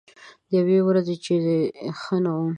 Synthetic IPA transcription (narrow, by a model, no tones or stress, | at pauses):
d̪əjawewɾazet͡ʃedexənawu